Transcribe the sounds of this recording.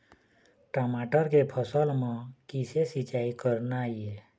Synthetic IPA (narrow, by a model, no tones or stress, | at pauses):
ʈəmaʈəɾkepʰəsəlmãkisesit͡ʃaːikəɾnaie